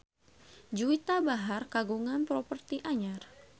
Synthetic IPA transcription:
d͡ʒuit̪abaɦarkaɡuŋanpɾɔpərt̪iʔaɲar

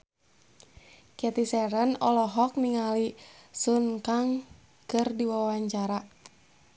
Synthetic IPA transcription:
kiat̪isɛɾənɔlɔɦɔk̚niŋalisunkaŋ | kərdiwawawaɲt͡ʃaɾa

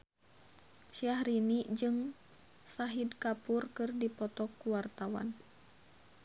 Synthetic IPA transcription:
ʃiaɦɾiniʔd͡ʒɨŋ | saɦidkapurkɨrdipɔt̪ɔkːuwart̪awa̰n

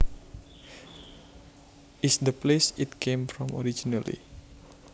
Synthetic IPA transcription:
ɪsd̪əplesitkʰemfɾɔ̃mo̰ɾid͡ʒinalḭ

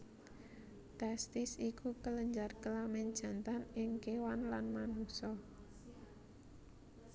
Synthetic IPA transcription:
t̪ɛst̪ɪsikukələɲd͡ʒarkəlamɛnd̥ʒ̥a̤nt̪anɪŋkewanlanmanusɔ

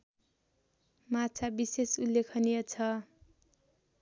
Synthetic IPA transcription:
mat͡sʰabisesulːekʰʌnijʌt͡sʰʌ

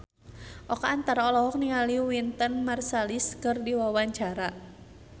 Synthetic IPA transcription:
ʔɔkaːnt̪aɾaɔlɔɦɔk̚nialiwint̪ənmarsaliskɨrdiwawaɲt͡ʃaɾa

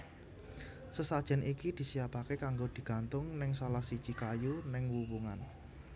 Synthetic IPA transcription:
səsad̥ʒ̥ɛ̤nʔikid̪̥i̤siapakekaŋɡod̪̥i̤ɡ̥a̤nt̪ʊŋnɪŋsolahsid̥ʒ̥i̤kajunɪŋwubuŋa̰n

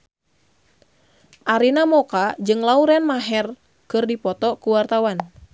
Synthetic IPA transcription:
ʔaɾinamɔkad͡ʒɨŋlauɾɛnmaɦɛr | kɨrdipɔt̪ɔkuwart̪awan

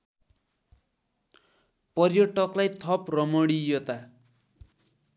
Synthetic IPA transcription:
pʌrjoʈʌklajt̪ʰʌprʌmʌɽijot̪a

